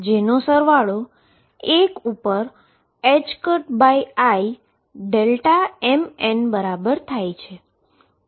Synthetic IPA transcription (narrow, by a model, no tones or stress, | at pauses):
d͡ʒenosəɾʋaɭo | ekupəɾ | ed͡ʒkəʈbaiai | ɖelʈaɛmɛnbəɾabəɾt̪ʰajt͡ʃʰe